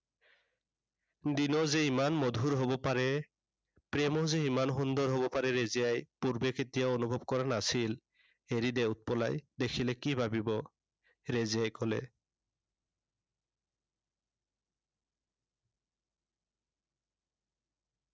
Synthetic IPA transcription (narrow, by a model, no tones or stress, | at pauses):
dinɔzeimanmodʱuɹɦobɔpaɹɛ | pɹɛmɔzeimanxundɔɹɦobɔpaɹɛɹeziajpuɹbeketijaonubʱɔbkɔɹanasil | eɹideut̚pɔla̰jdekʰilɛkibʱabibɔ | ɹezijajkɔlɛ̰